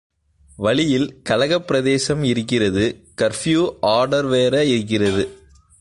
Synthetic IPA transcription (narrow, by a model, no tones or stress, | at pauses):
ʋɐɭɪjɪlkɐlɐɣɐpːɪɾɐðeːsɐmɪɾɯkːɪrɐðɯkɐɾfjuːʔaːɾɖɐɾʋeːɾɐɪɾɯk̬ːɪrɐðɯ